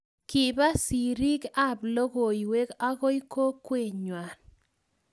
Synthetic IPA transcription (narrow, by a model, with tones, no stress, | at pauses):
kɪ˨ba˦si˨ɾi˦ka˦˨blo˦ɡo˨i˨we˦ka˦ɣo˦ji˦ko˦kːwe˨ɲwa˨n